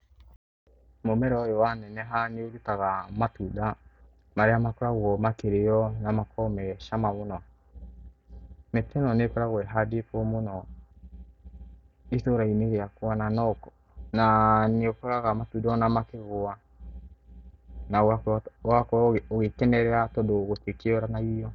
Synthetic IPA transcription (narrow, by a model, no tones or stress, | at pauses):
momɛɾɔɔjɔwanɛnɛɦaneoɾutaɣamatuda | maɾeamakoɾaɣwɔmakeɾeɔnamakʰɔmɛʃamaβonɔ | metʰɛnɔnekɔɾaɣwɛɦadepomonɔ | etoɾaineɣeakwananɔk | naneokɔɾaɣamatudɔnamakeɣoa | nawawakɔoɣekɛnɛɾɛatɔdoɣotekeɔɾanaijɔ